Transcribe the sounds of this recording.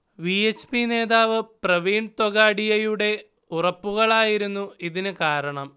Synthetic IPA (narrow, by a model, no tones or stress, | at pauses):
ʋiet͡ɕːpine̞ːðaːʋɨprɐʋiːɳɖt̪oɣaːɽijɐjuɽe̞ | urɐpːuɣɐɭaːjiɾunːuiðinɨkaːɾɐɳɐm